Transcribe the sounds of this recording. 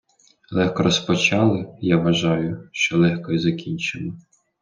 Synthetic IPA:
lˠɛxkɔɾɔspɔt͡ʃɑlˠɪjaʋɐʒɑjʊʃt͡ʃɔlˠɛxkɔizɐkʲinʲt͡ʃɪmˠɔ

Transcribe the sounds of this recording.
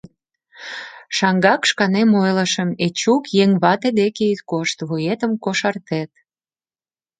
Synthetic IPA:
ʃɑŋɡɑkʃkɑnemojləʃə̆met͡ɕukjeŋβɑt̪ed̪ekeyt̪koʃt̪βujet̪əmkoʃɑrt̪et̪̚

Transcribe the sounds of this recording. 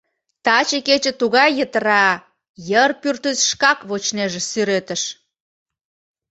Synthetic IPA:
t̪ɑt͡ɕeket͡ɕə̆t̪uɣɑjːət̪əɾɑ | jərpyrt̪yzʃkɑkβot͡ɕneʒĕsyɾet̪əʃ

